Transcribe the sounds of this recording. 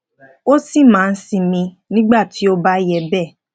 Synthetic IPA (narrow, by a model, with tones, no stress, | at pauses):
o˦si˦˨mãː˨˦˧n̩˦sĩ˧mĩ˧ | nĩ˦ɡ͡ba˦˨tʰi˨˦o˦ba˦jɛ˧bɛː˦˨